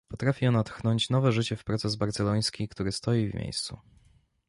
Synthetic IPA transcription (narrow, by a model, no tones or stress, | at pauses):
pɔt̪ɾafʲiɔnat̪xnɔɲt͡ɕnɔvɛʐɘt͡ɕɛfpɾɔt̪sɛzbaɾt̪sɛlɔj̃skʲikt̪uɾɘst̪ɔjivmʲʔḛjst̪sṵ